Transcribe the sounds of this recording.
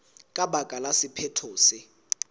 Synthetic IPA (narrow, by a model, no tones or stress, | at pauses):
kʼaɓakʼalasipʰɛtʰoːsi